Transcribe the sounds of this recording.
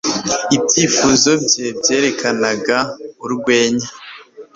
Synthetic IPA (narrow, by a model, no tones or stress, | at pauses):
ibɟiːfuzo̞bɟebje̞ːɾe̞kʰanaɡauɾɡwe̞ːɲa